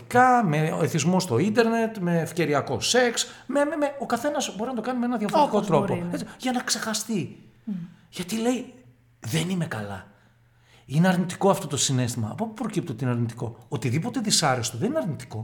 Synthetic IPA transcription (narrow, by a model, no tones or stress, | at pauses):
ikɐmeeθizmo̞st̪o̞ind̪e̞ɾne̞t̪me̞ːfce̞ɾiɐko̞se̞ksmememeo̞kɐθe̞nɐzbo̞ɾinɐt̪o̞kɐnimeenɐðʝɐfoɾt̪ikot̪ɾo̞po̞et͡siʝɐnɐkse̞xɐst̪i | ʝɐt̪ile̞i | ðe̞nime̞kɐlɐ̰ | ine̞ɐɾnit̪i̥ko̞ɐft̪o̞t̪osine̞st̪imɐːpopupɾo̞cip̚t̪iot̪ineɐɾnit̪i̥ko̞̰ot̪iðipo̞t̪e̞ðisɐɾest̪oðenineɐɾnit̪i̥ko̞